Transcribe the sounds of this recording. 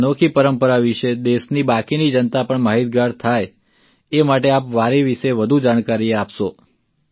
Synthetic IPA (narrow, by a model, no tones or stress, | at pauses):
nokʰipəɾəmpəɾaʋiʃed̪eʃnibakinid͡ʒənt̪apəɳmaɦit̪̚ɡaɾt̪ʰaj | emaʈeapʋaɾiʋiʃeʋəd̪ʱud͡ʒaɽ̃kaɾiapʃo